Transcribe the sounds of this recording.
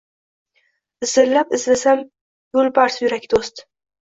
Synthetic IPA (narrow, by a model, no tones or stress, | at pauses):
ɪzɪɾlapɪzlɪsam | jʊlˠbaɾsjʊɾakʲd̪ost̪